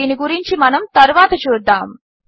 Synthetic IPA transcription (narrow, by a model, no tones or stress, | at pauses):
iniɡuɾiɲt͡ʃimɐnɐmt̪ɐɾʋaːt̪ɐt͡ʃuɾd̪aːm